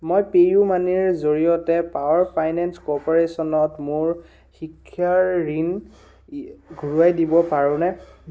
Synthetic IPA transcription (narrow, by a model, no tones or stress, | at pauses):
mojpejumaniɹzoɹijɔtɛpawaɹpʰajnɛnskɔpɔɹesɔnɔtmʊɹ | xikʰːjaɹɹin | ɡʱuɹuajdibɔpaɹʊ̃nɛ